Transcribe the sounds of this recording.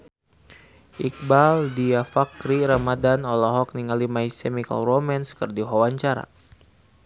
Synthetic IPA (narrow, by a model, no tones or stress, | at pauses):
ʔik̚baldiafakɾiɾamadanɔlɔɦɔk̚niŋalimaisɛmika̰lromɛnskərdiɦɔwaɲt͡ʃaɾa̰